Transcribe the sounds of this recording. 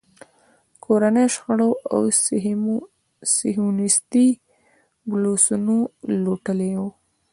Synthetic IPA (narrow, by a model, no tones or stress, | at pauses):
kʰoɾanəjʃxaɽoʔa̰w | sɪɦunɪst̪i | blosunoloʈəlew